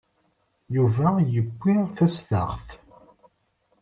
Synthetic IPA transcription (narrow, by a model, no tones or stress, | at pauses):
juvæjəɡʷːiθæsθə̰ʁθ